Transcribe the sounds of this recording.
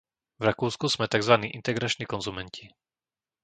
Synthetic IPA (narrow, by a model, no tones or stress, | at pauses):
vɾakuːskuz̥mɛt̪aɡzʋaniːʔint̪ɛɡɾat͡ʃniːkɔnzumɛnci